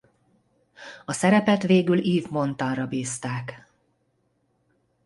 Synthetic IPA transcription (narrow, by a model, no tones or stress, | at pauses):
ɒsɛɾɛpɛt̪ʋeːɡyliːvmo̞nt̪ɒnrɒbiːst̪aːk